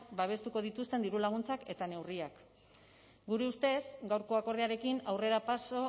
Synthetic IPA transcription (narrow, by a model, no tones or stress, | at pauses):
baβ̞e̞st̪uko̞ð̞it̪ust̪e̞nd̪iɾulaɣ̞unt͡sake̞t̪ane̞wriak | ɡuɾe̞ust̪e̞sɡawɾko̞ako̞ɾðiaɾe̞kinawre̞ɾapaso̞